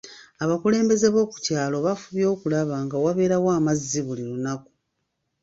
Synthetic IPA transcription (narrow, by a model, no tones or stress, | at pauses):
aβakule̞ːmbe̞ze̞βo̞ːku̥caːlo̞βafuβjo̞ːkulaβaːŋɡawaβe̞ːɾawaːmazːiβuliɾunaku̥